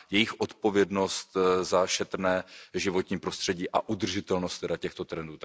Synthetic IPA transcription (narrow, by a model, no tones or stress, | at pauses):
jɛjɪxʔo̞t̪po̞vjɛdno̞st̪zaʃɛt̪ɾnɛːʒɪvo̞t̪ɲiːpɾo̞st̪r̝̥ɛɟiːʔaʔud̪r̩ʒɪt̪ɛlnost̪ːɛdacɛxt̪o̞t̪ɾɛnduːt̪